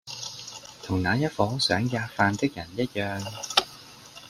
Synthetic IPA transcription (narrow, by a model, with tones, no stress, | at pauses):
t̪ʰʊ˨˩ŋnaː˨˧jɐ˥t̚fɔː˨˥sœː˨˥ŋjaː˧kfaː˧nt̪ɪ˥k̚jɐ˨˩njɐ˥t̚jœː˧ŋ